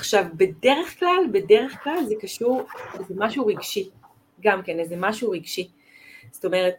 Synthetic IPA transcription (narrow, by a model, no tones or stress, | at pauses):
aχʃavbe̞de̞ʁeχklalbe̞de̞ʁeχklalzekaʃuʁezemaʃuʁiɡʃi | ɡamkenezemaʃuʁiɡʃi | sto̞me̞ʁet̚